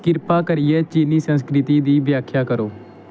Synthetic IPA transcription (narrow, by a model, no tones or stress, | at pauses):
kɪɾpaːkəɾɪjɛːt͡ʃiːniːsə̃nskɾɪt̪iːd̪iːʋjaːkʰjaːkəɾoː